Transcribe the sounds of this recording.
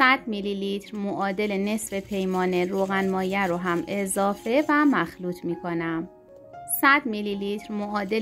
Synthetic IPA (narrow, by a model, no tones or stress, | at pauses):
sæd̪̥mililiːt̪ʰɾmoʔɒːd̪e̞lene̞sfe̞pʰe̞jmɒːneɾoːɣænmɒːjæɾoɦæme̞zɒːfe̞væmæxluːt̪ʰmiːkʰo̞næm | sæd̪mililiːt̪ʰɾmoʔɒːd̪e